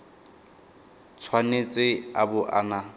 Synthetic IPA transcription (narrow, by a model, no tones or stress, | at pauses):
t͡sʰwanet͡sʼɪabʊʔa̰na